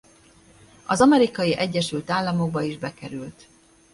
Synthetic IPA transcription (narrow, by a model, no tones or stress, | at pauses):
ɒzɒmɛɾikɒjiʔɛɟːɛʃylt̪aːlːɒmo̞ɡ̚bɒiʒbɛkɛɾylt̪